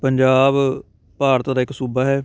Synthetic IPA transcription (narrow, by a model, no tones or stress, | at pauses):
pəɲd͡ʒaːb | paːɾt̪d̪aːɪksuːbaːɦɛː